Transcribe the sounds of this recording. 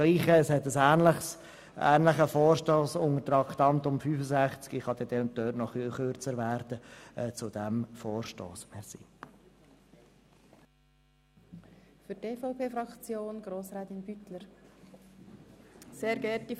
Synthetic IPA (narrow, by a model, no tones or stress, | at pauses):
liːχəːshɛt̪əsæːnləχs | ʔæ̰ːnləχəfɔːɾʃtoːsʊŋətɾɑkt̪ɑnt̪ʊmfyːfəsæχt͡skɪχhɑd̪ɛd̥̪ɛʊnt̚døːtnɔχyχøɾt͡səɾvæːɾd̥əɛt͡sʊd̥æmfoːɾʃto̰ːsmɛsḭ | fyɾteːfopʰeːfɾɑkt͡sjoːnɡ̥ɾoːsɾɛːt̪ɪnb̥yt̪ləɾ | seːɾɡɛti